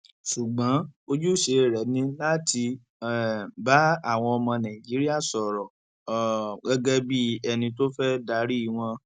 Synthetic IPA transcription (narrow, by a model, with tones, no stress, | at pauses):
ʃu˨ɡ͡bã˨˦o˧d͡ʒu˦ʃe˧˨ɾɛ˨˦nĩ˧la˦˨ti˧ | ɛ˨ba˦a˦˨w̃ɔ̃˧ɔ˧mɔ̃˧nã˨d͡ʒi˨˦ɾi˦a˦˨sɔ˨ɾɔ˨ | ɡɛ˦ɡɛ˦bi˦ɛ˧nĩ˧t̬o˦fɛ˦da˧˦ɾi˦i˦˨w̃ɔ̃˧